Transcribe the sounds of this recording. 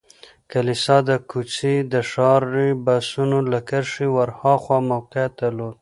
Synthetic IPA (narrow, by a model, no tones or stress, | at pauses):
kalisɑd̪əkut͡sid̪əʂɑɾːibasunolakaɾʂiwaɾhɑxwɑmawqeat̪alod̪̚